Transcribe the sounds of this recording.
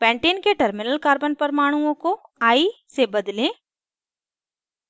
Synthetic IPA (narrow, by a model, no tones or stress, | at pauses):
pɛ̃ːɳʈeːnkeʈɐɾmɪnəlkaːɾbənpəɾmaːɽ̃uõkoaːisebɐd̪lẽː